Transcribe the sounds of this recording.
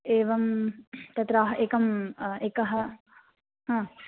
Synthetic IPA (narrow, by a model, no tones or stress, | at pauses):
eːʋɐmt̪ɐt̪ɾaːɦɐʔeːkɐmeːkɐɦɐ | ɦãː